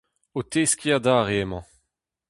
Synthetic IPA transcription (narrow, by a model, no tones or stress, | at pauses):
ot̪eːskʲiadaːʁeːmɑ̃